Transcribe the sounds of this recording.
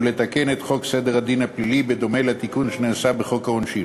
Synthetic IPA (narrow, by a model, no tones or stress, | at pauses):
let̪akenet̪χo̞ksed̪eʁad̪inaplilibed̪o̞melat̪ikunʃeneːsabeχo̞khaonʃi